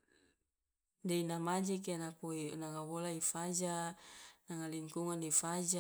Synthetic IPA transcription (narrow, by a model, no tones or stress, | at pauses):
deinamad͡ʒɛk̬anakoinaŋawolaifad͡ʒa | naŋaliŋkuŋandifad͡ʒa